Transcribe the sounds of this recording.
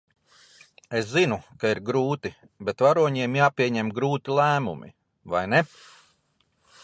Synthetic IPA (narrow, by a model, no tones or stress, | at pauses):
eszinukaiɾɡɾuːt̪i | bet̪vaɾuɔɲiɛmjaːpʲiɛɲɛmɡɾuːt̪ilˠæːmṵmḭ | vajnɛ